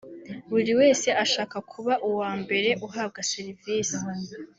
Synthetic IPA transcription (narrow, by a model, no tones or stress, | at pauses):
uɾiwe̞ːse̞ʔaʃaːkakʰuβaʔuwaːmbe̞ɾe̞ʔuɦaːb̚ɡasiɾiviːsi̥